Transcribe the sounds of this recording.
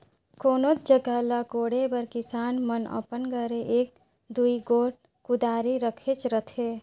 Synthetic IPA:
koːnoːd͡ʒəɡalakoːɽebəɾkɪsaːnmənə̰pənɡəɾeʔeːk̚ | d̪uiɡoːʈ | kʊd̪aːɾiɾəkʰet͡ʃɾət̪ʰeː

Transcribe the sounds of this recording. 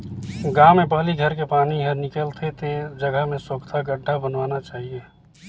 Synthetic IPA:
ɡaːmepaːliɡʱəɾkepaːniɦəɾnɪkəlt̪ʰet̪ed͡ʒəɡəɦmẽsəkt̪ʰaɡəɖʱːabənʋaːnat͡ʃaːɦieː

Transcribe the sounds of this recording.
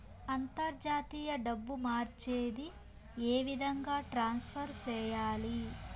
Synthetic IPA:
ɐnt̪ɐɾd͡ʒaːt̪iːjɐɖɐbːumaːɾt͡ʃeːd̪i | eːʋid̪ʱɐŋɡaːʈɾaːnspʰɐɾt͡ʃɛːjaːli

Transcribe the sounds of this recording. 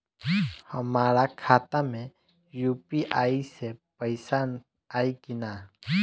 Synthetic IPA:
həmaːɾakʰaːt̪amẽ | juːpiʔaːisepəɪsaːn | aːikinaː

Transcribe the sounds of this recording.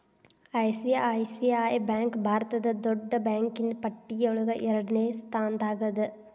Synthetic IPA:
ɐjsijɐjsiaːjbaːŋkbʱaːɾɐt̪ɐd̪ɐd̪ɔɖːɐbjaːŋkinpɐʈːiɡɐuɭuɡɐʔɛɾɐɽɐneːst̪ʰaːnd̪aːɡɐd̪ɨ

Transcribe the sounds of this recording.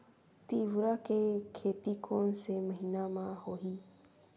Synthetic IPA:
t̪iːʋɾaːkekʰeːt̪iːkʰoːnseːməɦiːnaːmãːhoːɦiː

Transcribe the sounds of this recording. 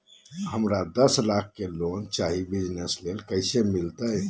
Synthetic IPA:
həmɾad̪əslak̚ʰːelont͡ʃaɦibid͡ʒneslelkəɪsemilt̪ə

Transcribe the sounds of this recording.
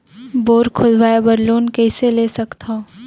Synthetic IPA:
boːɾkʰʊd͡ʒʋaːebəɾloːnkɛːseleːsɐkt̪ʰaː

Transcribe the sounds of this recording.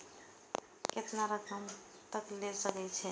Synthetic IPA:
ket̪naɾəkʰəm | t̪əklesəkɛt͡ʃʰɛ

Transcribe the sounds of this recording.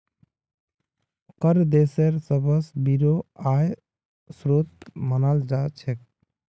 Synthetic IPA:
kəɾd̪eseɾsəbəsbiɾoaj | sɾot̪̚mənald͡ʒat͡ʃʰek̚

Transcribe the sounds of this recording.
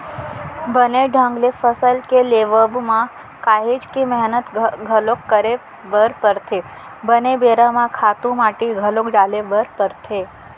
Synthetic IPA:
bəneɖʱə̃ŋɡlefəsəlkeleʋəbmã | kaɦed͡ʒkimɛɦnət̪ɡʱəlokːəɾe | bəɾpəɾt̪ʰe | bənebeɾamãkʰat̪ũmaʈiɡʱəlokɖalebəɾpəɾt̪ʰe

